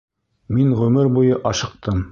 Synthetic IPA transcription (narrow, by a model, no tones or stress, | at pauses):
minʁɵmɘɾbujɤʔɑʃɤ̆q̚t̪ɤm